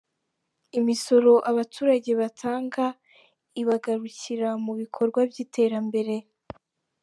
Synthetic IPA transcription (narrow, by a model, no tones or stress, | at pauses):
imiso̞ɾo̞ʔaβatʰuːɾaɟe̞βatʰaːŋɡa | iβaɡaɾuciɾamuβikʰo̞ɾɡwabjiːtʰe̞ːɾambe̞ɾe̞